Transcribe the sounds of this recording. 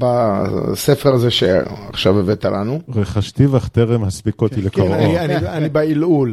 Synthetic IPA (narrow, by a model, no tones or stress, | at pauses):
basefeʁazeʃḛaχʃavevet̪alʔanuʁeχaʃt̪ivaχt̪eʁemhaspikot̪ilekoʁanianianibailul